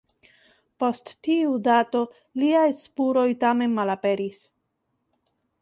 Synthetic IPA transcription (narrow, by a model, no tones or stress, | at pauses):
po̞stːiudato̞ | liajspuɾo̞jtame̞nmalape̞ɾis